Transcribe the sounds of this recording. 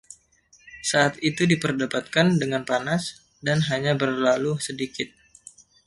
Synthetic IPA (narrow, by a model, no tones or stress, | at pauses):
saːt̪̚it̪udipərdapat̪̚kandəŋanpanas | danɦaɲabərlalusədikɪt̪̚